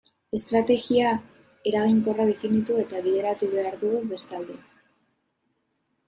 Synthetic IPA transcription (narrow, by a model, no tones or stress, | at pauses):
e̞st̪ɾat̪e̞ɣia | e̞ɾaɣiŋko̞raðe̞finit̪ue̞t̪aβ̞iðe̞ɾat̪uβe̞aɾðuɣuβe̞st̪ald̪e̞